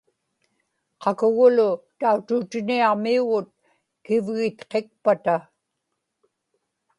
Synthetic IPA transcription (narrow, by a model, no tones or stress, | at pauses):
qʰɑkʊɣʊlʊt̪aut̪ut̪ɪniɑʁmiuɣʊt̪̚ | kɪvɣɪt̪qe̞k̚pat̪a